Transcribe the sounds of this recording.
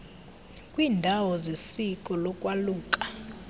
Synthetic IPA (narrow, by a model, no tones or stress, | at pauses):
kʼwiːndʱawɔzesikʼɔlɔkʼwaluːkʼa